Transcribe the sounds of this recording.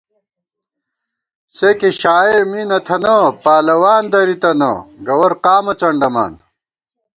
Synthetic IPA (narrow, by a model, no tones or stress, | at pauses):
sekiɕaːiɾmiːnɐt̪ʰɐnɐpaːlɐwaːnd̪ɐɾit̪ɐnɐ̰ɡɐwɐɾqaːmɐt͡ɕɐɳɖɐma̰ːn